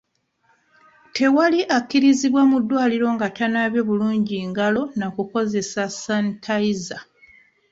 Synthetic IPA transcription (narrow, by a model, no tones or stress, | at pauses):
tʰe̞waliʔakːiɾiziβwamudːwaːliɾo̞ŋɡatanaβjo̞βuluːɲɟiŋɡalo̞nakuko̞ze̞sasantʰaiza